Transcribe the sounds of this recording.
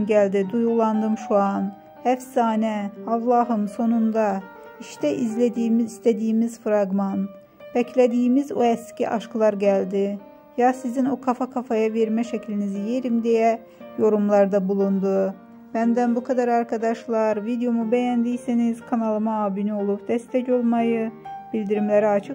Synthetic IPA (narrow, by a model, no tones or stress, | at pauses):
ɟælʲd̪id̪ujɣulˠand̪ɯmʃuan | hæfsaːnɛavlˠaɦɯmso̞nund̪a | iʃt̪ʰɛʔizlʲed̪iːmizist̪ʰed̪iːmiz̥fɾaɡman | bɛcʰlʲed̪iːmizuɛscḭʔaʃklˠaɾɟælʲd̪ɪ | jasizinokʰafakʰafajaveɾmɛʃɛcʰlʲinizijeɾimd̪ejɛ | jo̞ɾumlˠaɾd̪abulˠund̪u | b̥ænd̪ænbukʰad̪aɾaɾkʰad̪ɑʃlˠaɾvid̪ejo̞mubɛjænd̪ijsiniz̥kʰanalˠɯmaaːbinio̞lˠupd̪̥ɛst̪ʰɛco̞lˠmajɯb̥ilʲd̪iɾimlʲeɾiat͡ʃʰɯk